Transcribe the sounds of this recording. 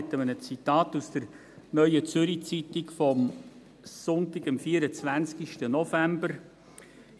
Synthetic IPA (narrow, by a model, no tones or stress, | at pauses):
t̪əmənət͡sit̪ɑːtusd̥əɾ | nœʏət͡sʏɾit͡sit̪ɪkfɔm | sʊntɪɡəmfiːəɾət͡svænskiʃtənɔfæmbəɾ